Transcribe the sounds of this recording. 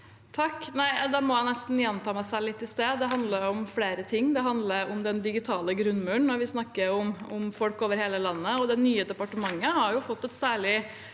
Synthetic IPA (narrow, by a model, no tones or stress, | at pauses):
t̪ʰɑkːnæɪd̪ɑmɔjæɪnɛst̪n̩jɛnt̪ʰɑːmæɪsælɪt̪ːɪst̪eːd̪ɛɦɑnd̪ləɾʊmfleːɾət̪ʰɪŋːd̪ɛɦɑnd̪ləɾʊmd̪ɛnd̪ɪɡɪt̪ʰɑːləɡɾʉnːmʉːɳnɔɾʋɪsnɑkːəɾʊmʊmfɔlkoːʋəɾheːləlɑnːəɔd̪ɛnyːəd̪ɛpɑʈəmɑŋːəhɑɾjʊfɔt̪ːɛt̪sæːɭɪ